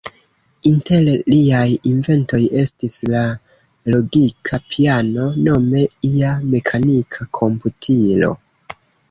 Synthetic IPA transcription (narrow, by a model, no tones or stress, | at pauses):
inte̞lliajinve̞nto̞je̞stisla | lo̞ɡikʰapʰiano̞no̞me̞iame̞kʰanikʰakʰo̞mputʰilo̞̰